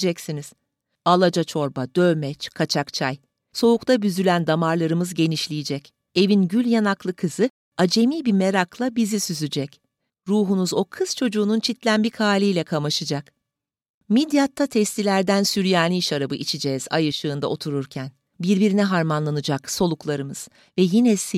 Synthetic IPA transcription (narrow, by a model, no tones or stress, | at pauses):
d͡ʒɛcsiniz̥ | alˠad͡ʒat͡ʃʰo̞ɾbad̪ømɛt͡ʃkʰat͡ʃʰakt͡ʃʰaj | so̞ukt̪ʰabyzylʲænd̪amaɾlˠaɾɯmɯzɟe̞niʃlʲijid͡ʒɛc | e̞vinɟylʲjanaklˠɯkʰɯz̥ɯ | ad͡ʒe̞miːbime̞ɾaklˠabizisyzyd͡ʒɛc | ɾuːɦunuzo̞kʰɯz̥t͡ʃʰo̞d͡ʒuːnunt͡ʃʰit̪lʲænbikʰaːlʲijlʲɛkʰamaʃɯd͡ʒak | mid̪jat̪ʰːat̪ʰɛst̪ilʲæɾd̪ænsyɾjaːnʲiiʃaɾabɯʔit͡ʃʰid͡ʒɛz̥a̰jɯʃɯːnd̪a̰ʔo̞t̪ʰuɾuɾcʰæn | biɾbiɾinɛɦaɾmanlˠanɯd͡ʒakso̞lˠuklˠaɾɯmɯz̥ | vɛjinɛsi